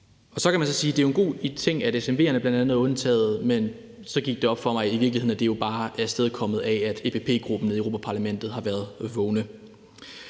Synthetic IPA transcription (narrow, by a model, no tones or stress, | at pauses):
ɒ̽sɒ̽kʰæmænsɒsiːd̥e̝oenɡ̥o̝̰ːit͡sʰe̝ŋ̰æɾesemʋe̝̰ːɐnəb̥lænd̥ænð̩ˠɔ̽nt͡sʰɛ̰ːð̩ˠmen | sɒ̽ɡ̥iɡ̥̚d̥e̝ɒ̽b̥fɒ̽mɑ̈ɪiʋiɐɡlihe̝ð̰ˠnæd̥e̝jo̝b̥ɑ̈ːæɐsd̥eðˠkʰɒ̽m̰ð̞̩ˠææd̥epʰe̝pʰe̝̰ːɡ̥ʁub̥n̩ieʊo̝ːpʰæpʰɑ̈læmen̰d̥ð̞̩ˠhɑ̈ʋæːɐðˠʋɔʊnə